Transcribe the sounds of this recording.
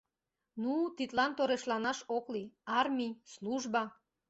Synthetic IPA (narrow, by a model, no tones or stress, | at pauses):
nut̪it̪lɑnt̪oɾeʃlɑnɑʃokliɑrmʲisluʒbɑ